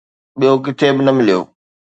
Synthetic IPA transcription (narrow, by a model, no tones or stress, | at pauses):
ɓijok̬ɪt̪ʰebɪnɐmɪlijo̰ː